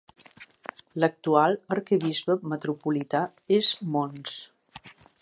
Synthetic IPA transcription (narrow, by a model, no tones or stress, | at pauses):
lək̚t̪ualˠəɾkəβizβəmət̪ɾupulit̪a | ezmons